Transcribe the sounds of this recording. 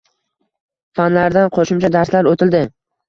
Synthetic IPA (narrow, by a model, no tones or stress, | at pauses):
fanlaɾd̪anqʰoʃʊmt͡ʃʰad̪aɾslaɾot̪ʰɪld̪ɪ